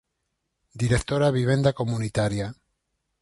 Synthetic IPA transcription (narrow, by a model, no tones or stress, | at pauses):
d̪iɾekt̪oɾaβiβ̞end̪akomunit̪aɾja